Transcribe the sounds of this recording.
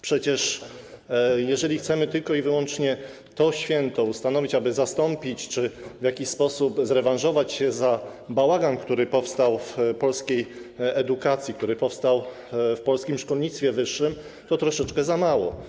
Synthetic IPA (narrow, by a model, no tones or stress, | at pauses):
pʂɛt͡ɕɛʂ | jɛʐɛlʲixt̪sɛmɘt̪ɘlkɔivɘwɔnt͡ʂɲɛ | t̪ɔɕfʲjɛnt̪ɔust̪anɔvʲit͡ɕabɘzast̪ɔmpʲit͡ɕt͡ʂɘvʲjakʲiɕspɔsupzɾɛvãnʐɔvat͡ɕɕɛza | bawaɡankt̪uɾɘpɔfst̪awfpɔlskʲejɛd̪ukat̪sʲjikt̪uɾɘpɔfst̪aw | fpɔlskʲimʂkɔlɲit̪st̪fʲɛvɘʂːɘm | t̪ɔt̪ɾɔʂɛt͡ʂkɛzamawɔ̰